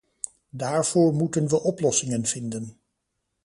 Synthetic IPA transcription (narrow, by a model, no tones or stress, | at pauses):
daːɹv̥oːɹmutənʋəʔɔplɔsɪŋənv̥ɪndən